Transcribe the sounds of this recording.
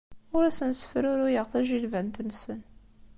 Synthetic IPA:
ʊɾæsənsə̥fəɾʊɾʊjəʁθæʒilvænt̪nːsən

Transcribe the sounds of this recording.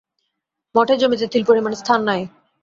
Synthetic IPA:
mɔʈʰed͡ʑomit̪et̪ʰilpoɾemanest̪ʰanːaj

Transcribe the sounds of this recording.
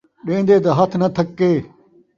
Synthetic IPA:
ɗẽːnd̪eːt̪ɐɦɐt̪ʰnɐt̪ʰɐkːeː

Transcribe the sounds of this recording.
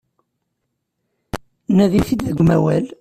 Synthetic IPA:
næðiθid̪ðəɡʷmæwæl

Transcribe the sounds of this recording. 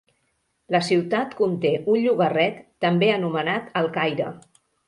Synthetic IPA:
ləsiwt̪at̪kunt̪eʔunʎuβərɛt̪ːəmbeənumənat̪əlˠkajɾə̰

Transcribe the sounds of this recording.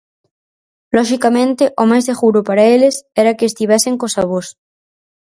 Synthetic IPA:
lɔʃikamẽnt̪ɪʔomajzðeɣuɾʊpaɾaelɪsɛɾɐkɪeːst̪iβɛsɪŋkosaβ̞os

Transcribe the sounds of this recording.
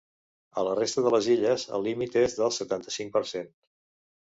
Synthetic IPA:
ələrest̪əðələziʎəzə̰lːimit̪ezðəlˠsət̪ant̪əsiŋpəɾsen

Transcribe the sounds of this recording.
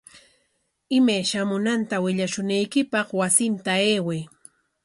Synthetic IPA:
ɪmajʃamʊnant̪awɪʎaʃʊnajkɪpɑχwasɪnt̪aeːwej

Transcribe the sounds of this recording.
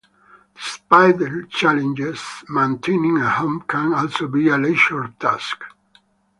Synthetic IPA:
d̪̥ispajt̪ət͡ʃalɛ̃nd͡ʒesmẽnt̪ʰẽnĩŋəhõmkʰæ̃nɔlsobialeʃɔltʰask

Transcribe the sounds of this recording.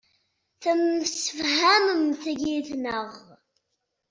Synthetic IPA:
θəmsə̥fhæməmθəʝiθnəʁ

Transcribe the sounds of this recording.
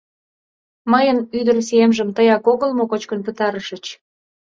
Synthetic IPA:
məjənyd̪ərsiemʒəmt̪əjɑkoɣəlmokot͡ɕkənpət̪ɑɾəʃə̆t͡ɕ

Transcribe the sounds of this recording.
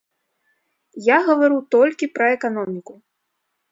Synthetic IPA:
jaɣɐvaɾut̪ɔlʲkʲipɾɐɛkanɔmʲiku

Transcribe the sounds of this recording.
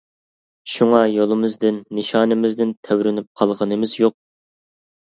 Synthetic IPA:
ʃuŋɑjolˠɨmɨzd̪ɪnːɨʃɑːnɨmɪzd̪ɪnt̪ʰæwɾɪnyp̚qʰɑlˠʁənɨmɪzjoq̚

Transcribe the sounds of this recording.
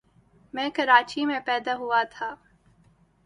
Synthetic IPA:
mɛ̃ːkɐɾaːt͡ʃimẽpɛːd̪aɦʊat̪ʰaː

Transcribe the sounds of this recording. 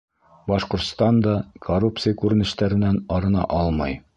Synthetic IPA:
bɒʃqŏɾt̪st̪ɑnd̪ɑkʰorup̚t̪sɨjakʉɾɘ̆nɘ̆ʃt̪æɾɘ̆nːænɒɾɤ̆nɑ̰ʔɒlˠmɑj

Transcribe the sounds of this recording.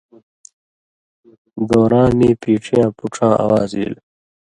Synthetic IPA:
d̪oːɾãːmiːpiːʈ͡ʂʰijãːpuʈ͡ʂʰãːʔa̰waːzḭːl

